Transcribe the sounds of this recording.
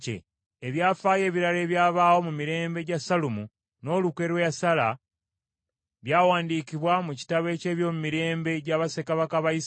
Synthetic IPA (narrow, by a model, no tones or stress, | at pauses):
cḛ | eβjaːfaːje̞ːβiɾale̞ːβjaːβaːwo̞mumiɾe̞ːmbe̞ɟasalumu | no̞ːluke̞ɾwejasala̰ | βjaːwaːndiːkiβwamuci̥taβe̞ːce̞ːβjo̞ːmumiɾe̞ːmbe̞ɟaβase̞kaβakaβais